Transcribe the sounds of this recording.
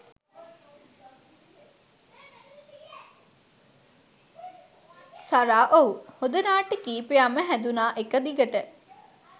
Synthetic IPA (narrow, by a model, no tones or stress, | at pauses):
saɾaːʔouhod̪ənaːʈəkiːpejaməɦænd̪unaːʔekəd̪iɡəʈə